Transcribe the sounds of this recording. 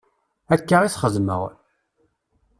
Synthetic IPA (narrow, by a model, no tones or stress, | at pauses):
ækːəʁisχəðmə̰ʁ